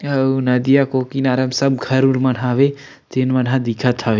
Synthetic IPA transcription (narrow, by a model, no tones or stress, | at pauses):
ɐnɐd̪ijakoːkinaːɾɐmsɐb̚ɡʰʱɐɾuɾmɐnɦãʋe | t̪enmɐnɦãd̪ikʰət̪ʰːɐʋe